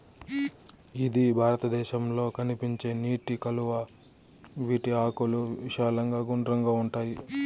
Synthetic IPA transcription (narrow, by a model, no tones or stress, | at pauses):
id̪ibʱaːɾɐt̪ɐd̪ɛːʃɐmlo̞ːkɐnipiɲt͡ʃe̞ːniːʈikɐluʋɐ | ʋiːʈiaːkuluʋiʃaːlɐŋɡaːɡuɳɖɾɐŋɡaːuɳʈaːji